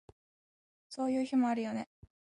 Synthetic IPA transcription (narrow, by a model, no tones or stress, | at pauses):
so̞ːjɯ̟ːçimo̞aɾɯ̟jo̞ne̞